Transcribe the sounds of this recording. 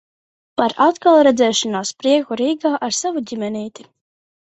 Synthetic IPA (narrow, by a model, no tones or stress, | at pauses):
paɾat̪kalˠɾɛd̪zɛːʃɔnaːspɾiɛkuɾiːɡaːʔaɾsavuɟʲimʲɛniːt̪i̥